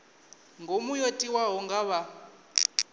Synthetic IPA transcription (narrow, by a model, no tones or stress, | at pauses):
ŋɡʱomujotʼiwaɦɔŋɡaβa